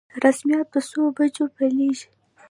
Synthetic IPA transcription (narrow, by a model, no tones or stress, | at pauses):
ɾasmijɑt̪̚b̪əsobad͡ʒopaleʒi̥